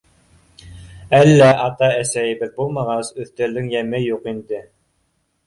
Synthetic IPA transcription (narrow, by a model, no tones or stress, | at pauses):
ælːæʔɑt̪ɑæsæjɘbɘðbulˠmɑʁɑsɵ̆θt̪ɘ̆ɾðɘŋjæmɘjuqind̪ɘ